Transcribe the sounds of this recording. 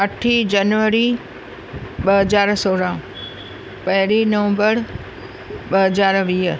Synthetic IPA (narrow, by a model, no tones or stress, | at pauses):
əʈʰid͡ʒənʋəɾi | ɓəɦəd͡ʒaːɾsoːɽã | pəɦɪlinəʋə̃mbəɾ | ɓəɦəd͡ʒaːɾʋiː